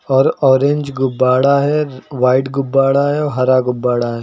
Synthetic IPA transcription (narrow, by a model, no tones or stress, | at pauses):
ɔːɾɔːɾẽɲd͡ʒɡʊbːaːɽaɦɛʋaːɪʈɡʊbːaːɽaɦɛɔːɾɦɐɾaɡʊbːaːɽaɦɛː